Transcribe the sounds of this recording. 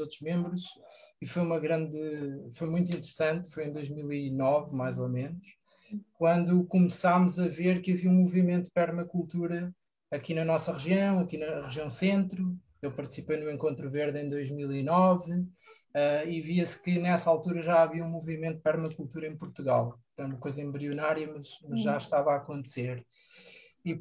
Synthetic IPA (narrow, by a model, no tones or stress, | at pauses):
ot̪ɾuʒmẽmbɾuʃ | ifojumɐɣɾɐ̃nd̪ɨfojmũj̃t̪̬ĩnt̪ɨɾsɐ̃nt̪fojẽj̃d̪ojʒmilˠinɔvmajzomenuʃ | kwɐ̃nd̪ukumsamuzɐveɾkɨɐviɐũmuvimẽnt̪upɛɾmɐkulˠt̪uɾɐ | ɐkinɐnɔsɐʁɨʒiɐ̃w̃ɐkinɐʁɨʒiɐ̃w̃sẽnt̪ɾu | ewpɐɾt̪sipejnuẽŋkõnt̪ɾuveɾðẽj̃d̪ojʒmilˠinɔv | ɛiviɐskɨnɛsɐalˠt̪uɾɐʒaɐviɐũmuvimẽnt̪̚pɛɾmɐkulˠt̪uɾɐẽj̃puɾt̪uɣa̰lˠ | ɐ̃ɐkojzɐẽmbɾiunaɾjɐmɐʃmɐzʒaʃt̪avaɐkõnt̪seɾ | i